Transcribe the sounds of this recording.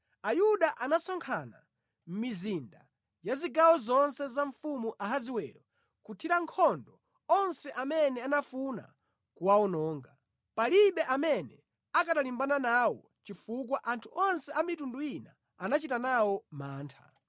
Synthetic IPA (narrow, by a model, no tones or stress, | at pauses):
ajuɗaʔanasɔŋkʰana | m̩mizinda | jaziɡawɔzɔnsɛzaɱfumuʔaɦaziwɛ̰ɾɔ | kutʰiɾaŋkʰɔndɔ | ɔnsɛʔamɛnɛanafuna̰ | kuwaɔnɔːŋɡa | paliɓɛʔamɛnɛ | akaɗalimbananawɔ | t͡ʃifuk̬waʔantʰuʔɔnsɛamitundujina̰ | anat͡ʃitanawɔmaːntʰḁ̰